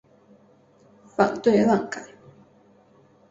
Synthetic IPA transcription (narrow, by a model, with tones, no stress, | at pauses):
fa˨˩ŋt̪we˥˧ɪlɑ˥˨ŋka˨˩˦n